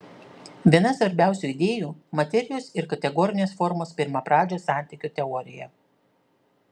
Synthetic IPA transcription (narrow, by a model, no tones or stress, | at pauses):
ʋʲiɛnɐsʋɐɾʲbʲæˑʊsʲuːɪd̪ʲeːjuːmɐt̪ʲɛɾʲɪjoːsɪɾkɐt̪ʲɛɡɔɾʲɪnʲeːsfɔɾmoːspʲɪɾmɐpɾɑːd͡ʒʲoːsɑˑnʲt̪ʲɪˑkʲut̪ʲɛɔɾʲɪ̰jɛ̰